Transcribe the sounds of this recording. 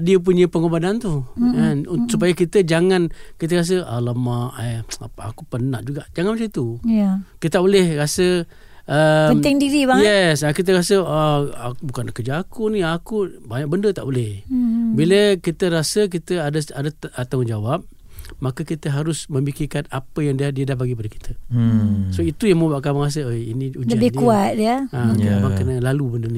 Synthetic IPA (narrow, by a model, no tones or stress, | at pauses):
diəp̬uɲə̃pəŋobadant̪ukansupajakit̪əd͡ʒaŋankit̪̬əɾas̬əʔa̰ləmaʔaa̰kupənaʔd͡ʒuɡaʔd͡ʒaŋanmasit̪ujakit̪t̪aʔbolɛhrasə | ʔəmt̪ɛŋdiɾibajɛsakit̪̬əɾasəaa̰bukankəd͡ʒaakuniakubaɲak̚bəndət̪a̰ʔbolɪhbiləkit̪əɾasək̬it̪əadəadət̪at̪ad͡ʒawap̚ | makəkit̪əɦaɾʊsmə̃mikirkanapəjaŋdiadiədahbaɡipadəki̥t̪ʰə | soit̪ujaŋməbaʔkawaŋas̬əəjinĩud͡ʒd͡ʒəabɪkuat̪̚diəait̪abakanalalubəndəni